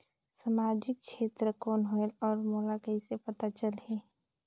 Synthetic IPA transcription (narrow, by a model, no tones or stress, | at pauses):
samaːd͡ʒɪk̚ʃʰeːt̪ɾəkɔːnɦoelɔːɾmoːlakəisepət̪at͡ʃəlɦɛː